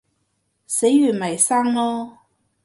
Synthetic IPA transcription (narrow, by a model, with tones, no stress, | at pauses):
se˨˥jjyː˨˩nmɐ˨˩jsaː˥ŋlɔː˥